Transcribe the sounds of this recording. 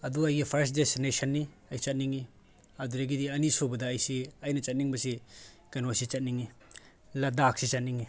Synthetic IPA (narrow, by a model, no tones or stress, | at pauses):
ɐduɐjɡipʰɐɾsdesinesɐnːi | ɐjt͡ʃɐt̚niŋi | ɐduɾɐɡidiɐnisobɐdɐːjsiɐjnɐt͡ʃɐt̚niŋbɐsi | kɐnosit͡ʃɐt̚niŋi | lɐdaksit͡ʃɐt̚niŋi